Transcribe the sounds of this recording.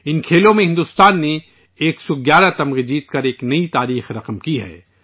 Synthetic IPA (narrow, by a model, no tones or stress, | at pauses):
ɪnkʰeːlõmẽɦɪ̃nd̪ʊst̪aːnːe | eːksɔɡjaːɾat̪ɐmʁed͡ʒiːt̪kɐɾeːknɐit̪aːɾiːxɾɐqəmkiɦɛ̰ː